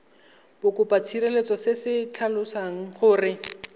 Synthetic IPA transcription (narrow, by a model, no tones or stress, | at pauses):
bʊkʼʊpat͡sʰirelet͡sɔsɪsɪt͡ɬʰalʊsaŋ̩χʊːrɪ